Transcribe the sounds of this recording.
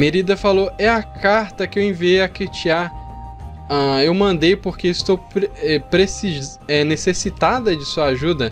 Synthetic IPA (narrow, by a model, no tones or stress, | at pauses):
meɾid̪ɐfaloɛɐkaɾt̪ɐkɪewẽviejɐkit͡ʃiaɾ | ɐ̃ewmɐ̃nd̪ejpoɾkeɪst̪owpɾɛpɾesiz | ɛnesesit̪ad̪ɐd͡ʒɪsuɐaʒud̪ɐ